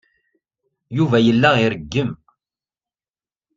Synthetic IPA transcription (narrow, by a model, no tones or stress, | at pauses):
juvæjəlːæʁiɾəɡːəm